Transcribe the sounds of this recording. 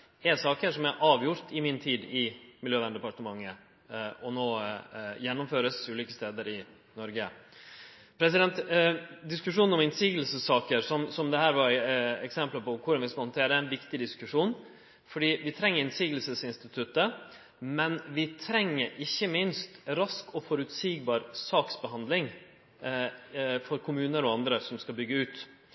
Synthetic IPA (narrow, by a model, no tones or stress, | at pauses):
ɛsɑːkəʂɔmɛɾʔɑːʋjʊɾt̪ʰɪmɪnt̪ʰiːd̪ɪmɪljøːʋænd̪əpɑʈəmɑŋːə | ɔnoːjɛnːɔmføːɾəsʉːliːkəst̪eːd̪əɾɪ | nɔɾɡə | pʰɾɛs̬ɪd̪ɛnt̪d̪ɪskʉʂuːnnɔmɪnsiːɡl̩səsːɑːkəɾsɔmsɔmd̪ɛhæːɾʋɑɾɛksɛmpləpɔkʰʊɾɑnʋɪskɑhɔnt̪ʰeːɾəɛnʋɪkt̪ɪd̪ɪskʉʂuːn | fɔɖiːʋɪt̪ʰɾɛŋːəɾɪnsiːɡl̩səsɪnst̪ɪt̪ʰʉt̪ə | mɛnʋɪt̪ʰɾɛŋːəɾʔɪçːəmɪnst̪ɾɑskɔfɔɾʉt̪siːɡ̚bɑːɾsɑːksbɛɦhɑnd̪lɪŋ | fɔɾkʰʊmʉːnəɾɔɑnd̪ɾəsɔmskɑlbʏɡːəʉːt̪